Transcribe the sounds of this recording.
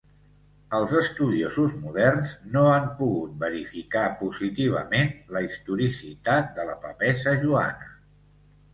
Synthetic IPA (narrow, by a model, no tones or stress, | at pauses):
əlˠzəst̪uðiozuzmuðɛrnznoampuɣut̪̚bəɾifikapuzit̪iβ̞ə̰menləist̪uɾisit̪at̪̚d̪ələpəpɛsəʒua̰nə